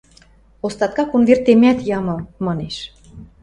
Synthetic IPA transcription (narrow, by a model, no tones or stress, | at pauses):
ost̪ɑt̪̚kɑkonvert̪emæt̪jɑmɤ̆lmɑneʃ